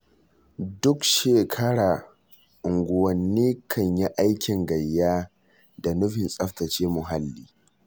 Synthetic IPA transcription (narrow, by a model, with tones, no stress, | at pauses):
dʊ˦kʃeː˨kʰɐ˦ɽaː˨ | ʔʊ˨ŋɡʷʊ˨wɐ˨nːiː˦kʰɐ˨ɲja˦ʔa˦jkʲɪ˨ŋɡɐ˨jːaː˦ | da˨nʊ˦ɸɪ˨nsʼɐ˦ɸtɐ˨t͡ʃeː˦mʊ˨ɦa˦lːiː˦